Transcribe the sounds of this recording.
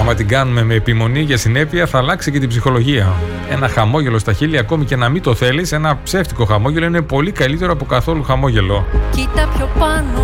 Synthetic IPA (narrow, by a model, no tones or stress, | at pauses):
ɐmɐt̪iɡɐnume̞me̞ːpimo̞niʝɐsine̞piɐθɐːlɐksice̞t̪ibzixo̞lo̞ʝiɐ | e̞nɐxɐmo̞ʝe̞lo̞st̪ɐçiliɐko̞mice̞nɐmit̪o̞θe̞lise̞nɐpse̞ft̪iko̞xɐmo̞ʝe̞lo̞ine̞po̞likɐlit̪e̞ɾoɐpo̞kɐθo̞luxɐmo̞ʝe̞lo̞cit̪ɐpçopɐno